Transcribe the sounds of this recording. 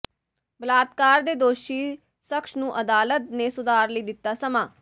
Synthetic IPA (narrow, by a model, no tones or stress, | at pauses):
bəlaːt̪kaːɾd̪eːd̪oːʃiː | səkʃnũːʔəd̪aːlət̪nẽːsʊd̪aːɾləiːd̪ɪt̪ːaːsəmaː